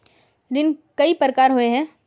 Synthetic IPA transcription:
ɾɪnkɐipəɾkaːɾɦoeɦɛ̃ː

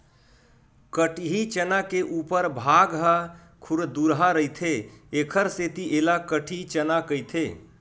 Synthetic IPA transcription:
kəʈʰɦit͡ʃənakeʔupəɾbʱaɡɦə | kʰuɾd̪uɾɦaɾəjt̪ʰeekʰəɾset̪iʔelakəʈʰit͡ʃənakəjt̪ʰe

